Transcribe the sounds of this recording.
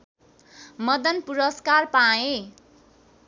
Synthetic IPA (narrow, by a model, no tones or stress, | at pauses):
mʌd̪ʌnpuɾʌskarpae